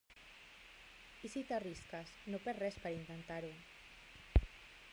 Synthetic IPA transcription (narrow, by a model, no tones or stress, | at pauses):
isit̪ariskasnopɛɾrɛspaɾaint̪ent̪aɾu